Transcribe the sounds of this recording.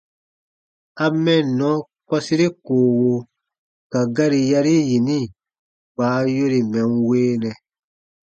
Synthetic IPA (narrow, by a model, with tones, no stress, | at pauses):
a˧mɛ̃˦˨nɔ̃˨˦ | kɔ˦si˦ɾe˦koː˨wo˧ | ka˨ɡa˦ɾi˧ja˧ɾi˦ji˨nĩ˦˨ | ɡ͡baː˨˦jo˦ɾi˨mɛ̃˨n˦weː˦nɛ̃˨